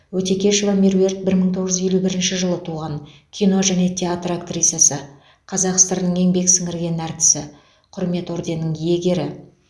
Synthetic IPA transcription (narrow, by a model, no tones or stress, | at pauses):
wɵt̪e̞kʲe̞ʃevamirue̞rt̪̚bɪɾməɴt̪ʰo̞ʁəʒʏze̞lubɪɾɪnʃɪʒəlˠət̪ʰuʁɑɴkʲʰijno̞ʒæne̞t̪ʲʰeat̪rakt̪rij̪ijasə | qʰɑzɑqə̥st̪ɑɾnəɴeŋbe̞ksɪŋɪɾɡʲe̞næɾt̪ɪ̥sɪ | qʰʊɾme̞t̪o̞ɾd̪e̞nəŋje̞ɡʲe̞ɾɪ